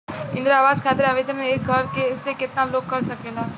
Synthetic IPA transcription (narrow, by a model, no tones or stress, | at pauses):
ɪ̃nd̪ɾaːʋaːzkʰaːt̪ɪɾaːʋet̪ʰeɾneeːk̚ɡʱɐɾkesekɪt̪naloːɡ̚kɐɾsɐkeːlaː